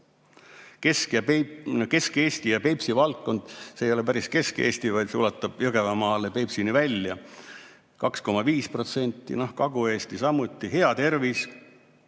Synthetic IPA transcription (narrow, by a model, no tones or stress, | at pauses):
kesk | ke̞ske̞ːst̪ijɑpe̞jpsivɑlt̪ko̞nd̪̥seːjo̞le̞p̬æɾiske̞ske̞̰ːst̪ivɑjd̪̥solɑt̪ːˑɑb̥jɤɡ̥evɑmɑːlepe̞psinivælʲjɑ | kɑksko̞mɑviːspro̞t̪se̞nʲt̪ːˑḭnohkɑɡ̥ue̞ːst̪isɑmːut̪ːˑiɦe̞ɑt̪e̞rvis